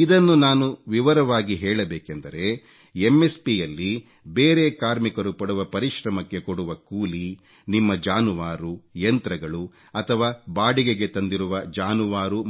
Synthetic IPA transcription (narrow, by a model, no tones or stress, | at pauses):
id̪ɐnːunaːnuʋiʋɐɾɐʋaːɡiɦɛːɭɐbeːkend̪ɐɾe̞ | emːe̞spijɐlːi | beːɾe̞kaːɾmikɐɾupɐɽuʋɐpɐɾiʃɾɐmɐkːe̞koɽuʋɐkuːli | nimːɐd͡ʒaːnuʋaːɾujɐnt̪ɾɐɡɐɭu | ɐt̪ʰɐʋaːbaːɽiɡeɡe̞t̪ɐnd̪iɾuʋɐd͡ʒaːnuʋaːɾu